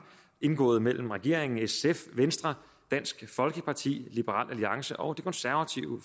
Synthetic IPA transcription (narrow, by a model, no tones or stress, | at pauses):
e̝nɡ̥ɔ̰ːðˠmel̰m̩ʁaɡ̥e̝ɐ̰eŋn̩esefʋensd̥ʁɐ | d̥æn̰sɡ̥fɒ̽lɡ̥əpʰɑ̈t͡sʰḭːlib̥əʁɑ̰̈ːl̰ʔæliɑ̈ŋsəʔɒ̽ʊd̥e̝kʰɒ̽nsæɐʋæt͡sʰiʊ